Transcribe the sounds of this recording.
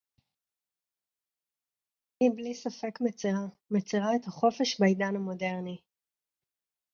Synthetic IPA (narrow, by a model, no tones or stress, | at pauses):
hiblisafe̞kmet͡siʁa | met͡siʁaethaχo̞feʃbaidanamo̞de̞ʁni